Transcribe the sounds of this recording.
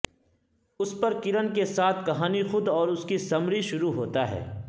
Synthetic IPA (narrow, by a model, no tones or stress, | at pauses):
ʊspɐɾkɪɾənkesaːt̪ʰkɐɦaːnixʊd̪ɔːɾʊskisɐmɾiʃʊɾuɦoːt̪aɦɛ̰ː